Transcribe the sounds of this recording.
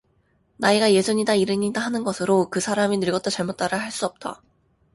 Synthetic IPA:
naiɡaje̞sʰuɲidaiɾɯɲidaɦanɯnɡʌsʰɯɾokɯsʰaɾaminɯɭɡʌt͈ot͡ɕaɭmot̚t͈aɾɯhaɭs͈uʌp̚t͈a̰

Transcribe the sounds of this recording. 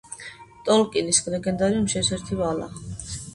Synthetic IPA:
t̪ʼɔlkʼinisɡlɛɡɛnd̪aɾimʃɛsɛɾt̪ʰivala̰

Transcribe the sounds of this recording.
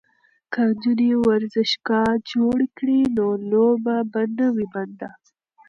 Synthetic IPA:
kad͡ʒuniwaɾzɪʃkɑd͡ʒoɽkɽinolobabanəwiband̪a

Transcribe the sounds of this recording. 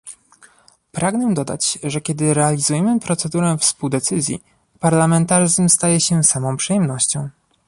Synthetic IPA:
pɾaɡnɛd̪ɔd̪a̰t͡ɕʐɛkʲɛd̪ɘɾɛalʲizujɛmɘpɾɔt̪sɛd̪uɾɛfspuwd̪ɛt̪sɘzʲjḭ | paɾlamɛnt̪aʐɘzmst̪ajɛɕɛsamɔ̃w̃pʂɛjɛmnɔɕt͡ɕɔ̃w̃

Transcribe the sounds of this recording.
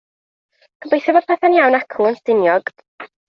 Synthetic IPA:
kʰəbejθɛbɔd̥̚pʰɛθanjawnakʰuənstɪnjɔɡ̥d̥

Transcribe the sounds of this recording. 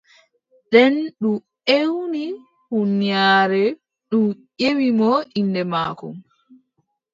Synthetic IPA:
ɗɛnɗum | ewni | hunːijaːɾɛ | ɗumʔewimɔʔindɛmaːkɔ̰m

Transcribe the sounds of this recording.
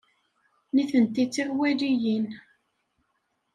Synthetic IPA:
niθənt̪it͡sːiʁwælijin

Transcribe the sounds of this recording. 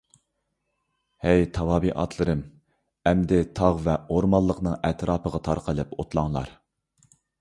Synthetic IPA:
hɛjt̪ʰɑwɑːbiʔɑ̰t̪ʰlˠɨɾɨm | ɛmd̪ɪt̪ʰɑʁvɛoɾmɑlˠːəqnɨŋɛt̪ʰɾɑːpəʁɑt̪ʰɑɾqəlˠɨpot̪lˠɑŋlˠɑ̰ɾ

